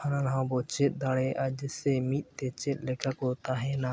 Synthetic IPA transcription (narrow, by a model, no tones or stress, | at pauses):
ananaɦãbɔt͡ʃɛt̪̚ˀd̪aɽɛʔad͡ʒəsɛmit̪̚ˀt̪ɛt͡ʃɛt̪̚ˀlɛkakɔt̪aɦɛna